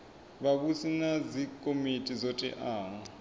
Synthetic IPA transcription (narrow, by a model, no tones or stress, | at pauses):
βaβusinazikʼomitʼizɔtʼɛ̰ʔaːŋɔ